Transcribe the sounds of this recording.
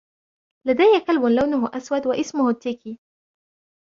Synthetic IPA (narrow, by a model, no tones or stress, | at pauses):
lad̪ajːakalbʊnlawnmʊʔaswad̪waʔɪsmʊhʊt̪ːɪki